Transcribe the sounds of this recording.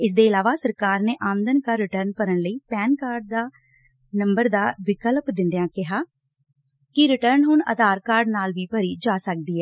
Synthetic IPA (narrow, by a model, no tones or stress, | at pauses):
ɪs̬d̪eːɪlaːʋaːsəɾkaːɾneːʔaːmənd̪ənkaːɾɪʈəɾnpəɾəɳləiːpɛːnkaːɾɖ̚d̪aː | nəmbəɾd̪aːʋɪkəlpd̪ɪ̃nd̪ejãːkɪɦaː | kɪɾɪʈəɾnɦʊɳə̰d̪aːɾkaːɾɖnaːlʋiːpəɾiːd͡ʒaːsək̚d̪iːɦɛː